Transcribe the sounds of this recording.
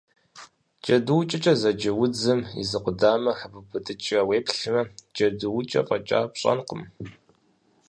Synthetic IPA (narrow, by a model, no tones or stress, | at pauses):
d͡ʒɐdɨwt͡ʃʼɐt͡ʃʼɐzɐd͡ʒɐwʊd͡zɨmḭzɨqʷʊdaːmɐxɐbɨbɨtʼɨt͡ʃʼɐweːpɬɨmɐd͡ʒʼɐdɨwʊt͡ʃʼɐ̰qʼɐt͡ʃʼa̰ːpɕʼɐ̰nqəm